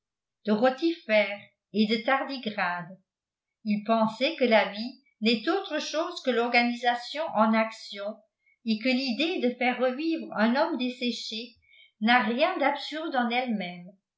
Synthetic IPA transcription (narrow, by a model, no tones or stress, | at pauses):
d̪̥əʁɔt̪ifɛːʁ | ed̪ət̪aʁd̪iɡʁaːd̪ | ilpɑ̃sɛkəlavi | nɛt̪oːt̪χəʃoːzkəlɔʁɡanizasjɔ̃ʔɑ̃naksjɔ̃ | ekəlid̪ed̪əfɛːʁːəviːvʁœ̃nɔmd̪esɛʃe | naʁjɛ̃d̪apsyʁd̪ɑ̃nɛlmɛm